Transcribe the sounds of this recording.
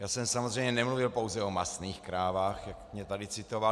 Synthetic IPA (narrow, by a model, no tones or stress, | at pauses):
jaːsɛmsamozr̝ɛjmɲɛnɛmluvɪlpo̞wzɛomasniːxkɾaːvaːxjakmɲɛt̪adɪt͡sɪt̪ova